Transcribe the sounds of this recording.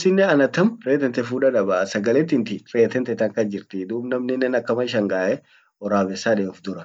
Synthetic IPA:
sɪnːɛɐnɐt̪ɐmɾeːt̪ɛnt̪ɛfuːᶑɐᶑɐbɐsɐɡɐlɛt̪ːɪnt̪ɪreːt̪ɛnt̪ɛt̪ɐŋkɐd͡ʒɪɾt̪ɪd̪uːbnɐmnɛnːɛnɐkːɐmɐʃ̬ɐŋɡaːʔɛ | ɔɾaːbɛsːaːᶑeːʊfd̪ʊɾɐ

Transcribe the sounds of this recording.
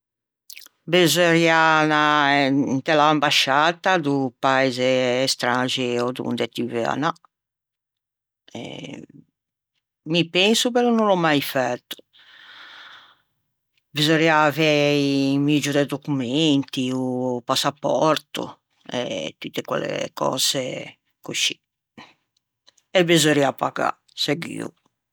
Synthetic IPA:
bezɔɾjana | nt̪ɛlaambaʃaːt̪ad̪upaɛzɛːst̪ɾad͡ʒɛɔd̪ṵnd̪ɛt̪ivɛ̰a̰na | ɛ̰ | mipensupɛlɔnulɔmajfɛt̪ːu̥ | bizoɾiavɛimid͡ʒud̪ɛd̪okument̪iupasːapːɔɾt̪ṵ | ɛ̰t̪ːut̪ːekwɛ̰lḛkɔ̰ːz̥e | kuʃːi̥ | ɛbezoɾiapːaɡa̰ | sɛɡḭːṵ

